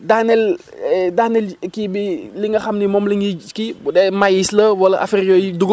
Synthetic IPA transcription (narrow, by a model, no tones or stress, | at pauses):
danɛl | ɛdaːnɛlkibiliŋɡɐxɐmnimɔmliŋikibudɛmajislɐwɐlɐʔa̰fiɾjɔjiduɡ